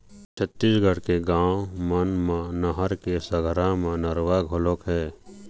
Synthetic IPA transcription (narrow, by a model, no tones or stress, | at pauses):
t͡ʃʰət̪ːisɡʱəɽkeɡãːwomənmãnəɦəɾkesəɡʱɾãmãnəɾwaɡʱolokɦɛː